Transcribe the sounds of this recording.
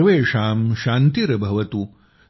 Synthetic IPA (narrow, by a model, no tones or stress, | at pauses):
ʋeːʂaːmʃaːnt̪iɾɐbʱɐʋɐt̪u